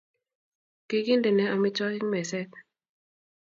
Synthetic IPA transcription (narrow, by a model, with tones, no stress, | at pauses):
ki˦ki˦ndɛ˨nɛ˨˦a˨mɪ˦t͡ʃɔ˦kɪ˦ŋmɛ˨sɛ˦t̪̚